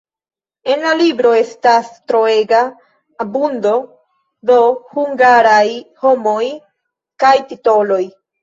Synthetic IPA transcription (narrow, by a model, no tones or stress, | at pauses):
e̞nlalibɾo̞e̞stastɾo̞eɡaː | bundo̞ | do̞huŋɡaɾajho̞mo̞j | kajtito̞lo̞j